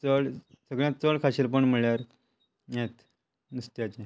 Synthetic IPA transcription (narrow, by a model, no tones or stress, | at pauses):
t͡səɭ | səɡɭjãt͡səɭkʰaɕelpəɳm̤əɭjaɾ | jet̪ | nust̪jat͡ɕe